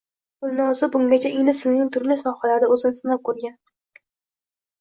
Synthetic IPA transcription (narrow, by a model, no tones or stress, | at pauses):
ɡʊlˠnɒzɪbʊŋɡʲat͡ʃʰaɪlɪsɪlnɪŋt̪ʰʊɾlɪsɒhalaɾɪɵzɪnɪsɪnap̚kʰɵɾɡʲan